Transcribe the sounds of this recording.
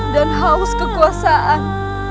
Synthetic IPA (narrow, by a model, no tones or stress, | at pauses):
danɦauskəkuasaʔan